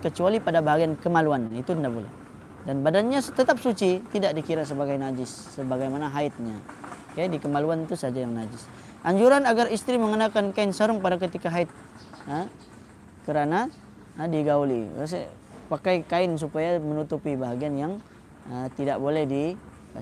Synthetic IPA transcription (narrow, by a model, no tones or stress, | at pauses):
kət͡ʃualipadabaɦaɡiankəmaluanit̪undabolɛ̰ | danbadanɲat̪ət̪ap̚sut͡ʃit̪idaʔ̚dikiɾas̬əbaɡajnad͡ʒɪsːəbaɡajmanaɦaɪt̪̚ɲa̰ | kadikəmaluant̪usad͡ʒajaŋnad͡ʒɪs | ʔaɲd͡ʒuɾanaɡarist̪ɾiməŋənakankaɪnsəɾʊŋpadak̬ət̪ikaɦaɪt̪̚ | ə | kəɾana | ədiɡaulḭs̬ | pakajkaɪns̬upajamənut̪upibaɦaɡianjaŋ | ət̪idaʔbolɛhdi